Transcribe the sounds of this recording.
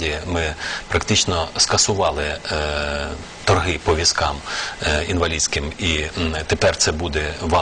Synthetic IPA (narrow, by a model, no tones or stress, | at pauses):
dʲijɐmɪpɾɐkt̪ɪt͡ʃnɔskɐsʊʋɑlˠɪ | t̪ɔrɦɪpɔʋʲiskɑminʋɐlʲid̪ʲsʲkɪmit̪epɛrt̪sɛbud̪ɛʋɑ